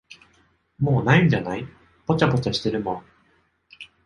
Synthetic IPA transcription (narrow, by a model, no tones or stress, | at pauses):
mo̞ːnaĩɲd͡ʑanai | po̞t͡ɕabo̞t͡ɕaɕi̥t̪e̞ɾɯ̟mõ